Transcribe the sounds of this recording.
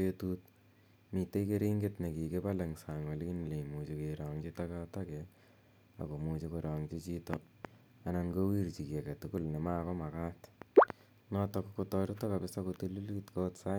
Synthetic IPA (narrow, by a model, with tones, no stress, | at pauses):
etu˦t | mi˨te˦ike˦ɾi˦ŋɡe˦tne˨ki˨ke˦pa˦le˨ŋsa˨ŋwa˨lki˦ni˨le˨imu˨t͡ʃe˨ke˨ɾɔ˨ŋt͡ʃi˦takata˦kɛ | a̰˨ko˨mu˨t͡ʃe˦keɾɔ˨ŋt͡ʃi˦t͡ʃi˦tɔ | a˨na˧ŋɡo˦wi˦ɾt͡ʃi˨ki˨a˨ka˨tuku˦lne˨ma˦kɔ˦ma˨ka˦t | nɔ˦tɔ˧ko˦kotɔ˧ɾu˦tɔ˦ka˨pɪsa˦ko˧tu˦lu˦litkotsa˦